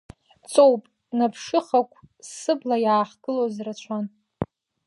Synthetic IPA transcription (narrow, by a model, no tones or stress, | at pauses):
t͡sʼowpʼ | napʰʂɨχakʷʼʰsɨblajaːχɡ̥ɨlozrat͡ɕʷʰan